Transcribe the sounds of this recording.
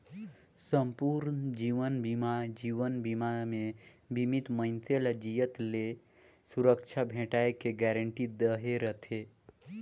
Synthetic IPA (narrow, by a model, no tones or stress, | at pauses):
səmpuːɾnd͡ʒiːʋənbimad͡ʒiːʋənbimamẽbʱimit̪mə̃nt̪ʰelad͡ʒijət̪le | suɾəkʃʰabʱẽːʈaːekeɡɛɾəɳʈid̪əɦeɾət̪ʰe